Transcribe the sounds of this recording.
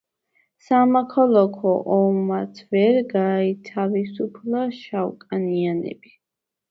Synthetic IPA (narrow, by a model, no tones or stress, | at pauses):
samakʰɔlˠɔkʰɔʔɔmːat̪sʰvɛɾɡait̪ʰavisupʰlˠaʃawkʼanianɛ̰bi